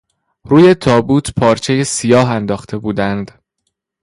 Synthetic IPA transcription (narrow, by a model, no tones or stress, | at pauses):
ɾuːje̞t̪ʰɒːbuːt̪ʰpʰɒːɾt͡ʃʰe̞jesijɒːɦænd̪ɒːxt̪ʰe̞buːd̪ænd̪